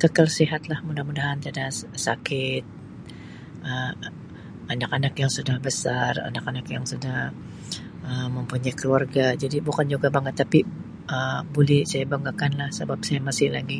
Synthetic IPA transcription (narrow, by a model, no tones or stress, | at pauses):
kəkalsiɦat̪lahmudahmudaɦant̪adasakɪt̪̚ | ʔəm | anakanakjaŋsudahbəsara̰nakanakjaŋsudah | əːəmpuɲajkəluarɡad͡ʒadibukand͡ʒuɡabaŋət̪ːapi | ʔəbolɛhsajabaŋɡakanlahsəbap̚sajamasɪhlaɡi